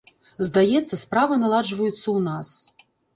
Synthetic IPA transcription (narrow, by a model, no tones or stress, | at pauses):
zd̪ajɛt̪sːɐspɾavɐnalˠad͡ʐvɐjut̪sːɐwnas